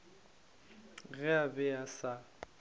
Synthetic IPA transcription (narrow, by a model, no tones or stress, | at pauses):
ɣɛabɛasa